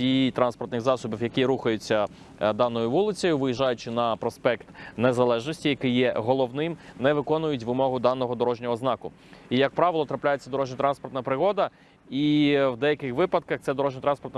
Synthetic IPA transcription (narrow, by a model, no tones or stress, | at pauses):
ijt̪ɾɑnspɔrt̪nɪxzɑsɔbiwjɐkiɾuxɐjʊt͡sʲːɐ | d̪ɑnːɔjʊʋulˠɪt͡sʲɔjʊʋɪjiʒɑjʊt͡ʃɪnɐpɾɔspɛkt̪nezɐlˠɛʒnɔsʲtʲijɐkɪjːɛɦɔlˠɔʋnɪmnɛʋɪkɔnʊjʊtʲʋɪmɔɦʊd̪ɑnːɔɦɔd̪ɔɾɔʒnʲɔɦɔznɑkʊ | ijɐk̚pɾɑʋɪlˠɔt̪ɾɐplʲajet͡sʲːɐd̪ɔɾɔʒnʲɐt̪ɾɑnspɔrt̪nɐpɾɪɦɔd̪ɐ | iwd̪ɛjɐkɪxʋɪpɐd̪̚kɐxt̪sɛd̪ɔɾɔʒnʲɔt̪ɾɑnspɔrt̪nɐ